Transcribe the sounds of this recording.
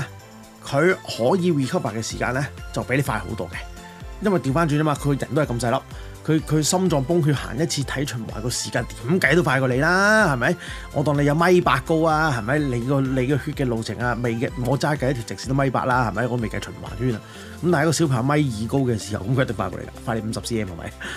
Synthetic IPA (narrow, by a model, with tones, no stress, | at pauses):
kʰɵ˨˧ɥhɔː˨˥jiː˨˧wiː˨˩kʰɐ˥p̚ːaː˨˩kːɛː˧siː˨˩ka̰ː˧nlɛː˥t͡sɐ˨wpe˨˥jle˨˧faː˧ho̰˨˧˥wt̪ɔː˥kɛ˧ | jɐ˥nwɐ˨jt̪iː˧wfaː˥nt͡ʃyː˧nɐ˥maː˨˧kʰjɐ˨˩nt̪o˥hkɐ˧ms̬ɐ˧jlɐ˨˥p̚ | kʰɵ˨˧kʰɵ˨˧ɥsɐ˥mt͡ʃɔː˧ŋpʊ˥ŋɦyː˧t̚ha̰ː˨˩njɐ˥t̚t͡sʰiː˧t̪ʰɐ˨˥jt͡ʃʰɵ˨˩nwa̰ː˨˩jkɔː˧si̥ː˨˩kaː˧nt̪i̥ː˨˥mkɐ˨˥jt̪o˥wfaː˧kɔː˧le˨˧jlaː˥hɐ˨˩mɐ˨˦j | ŋɔ̰ː˨˧t̪̬ɔː˧ŋnle˧jɐ˨˧wmɐ˥jpaː˧t̚kːo˥waː˧hɐ˨jmɐ˨˥jle˨˧jkɔː˧le˨˧jkɔː˧hyː˥t̚kɛː˧lo˨wt͡sʰɪ̰˨˩ŋaː˧me˨˩jkŋɔː˨˧t͡saː˥˨kɐ˧jt̪ʰi˨˩t͡sɪ˨ksiː˧t̪o˥mɐ˥jpa̰ː˧k̚laː˥hɐ˨˩jmɐ˧˥jɔː˨˧˥me˨˩kɐ˧˥jt͡ʃʰm̩˨˩wa̰ː˨˩nhyː˥na̰ː˧ | kɐ˨˦mtaː˨˥kɔ˧si˨˥wpʰaː˨˩˧mɐ˥jjiː˨˧ko˥wkɛː˧si̥˨˩hɐ̰˨˩wkɐ˦mkʰt̪̬ɪ˨˩faː˧kɔ̰˧lḛ˧ka̰ː˧˥faː˧le˨˧˥m̩˨˧sɐ˨p̚siː˥jɛː˧mhɐ˨˩mɐ̰˨˦j